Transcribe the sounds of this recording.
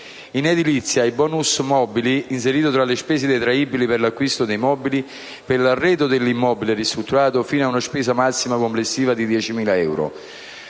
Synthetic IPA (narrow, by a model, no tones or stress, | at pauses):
ined̪ilit̪sːjaibɔːnusmɔbiliins̬eɾiːt̪ʊt̪ɾalespɛːsed̪ejt̪ɾaiːbiliperlakːwist̪ʊd̪ejmɔːbili | pelarːɛːd̪ʊd̪elːimːɔːbilɪrist̪ɾut̪ːuɾaːt̪ʊfiːnaunaspɛːsamasːimakomplesːiːvad̪id̪jɛːt͡ʃimiːlaɛwɾo̰